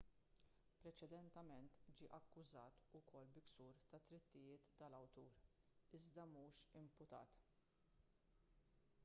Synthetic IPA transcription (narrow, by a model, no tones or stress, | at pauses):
pɾɛt͡ʃɛd̪ɛnt̪ɛmɛnt̪d͡ʒiːʔɐkːʊzɐːt̪ʊkʰɔlːbɪksuːɾt̪ɐt̪ɾɪt̪ːɪjɪːt̪ːɐlɐwt̪uːɾ | ɪzd̪ɐmuːʃɪmpʊt̪ɐ̰ːt̪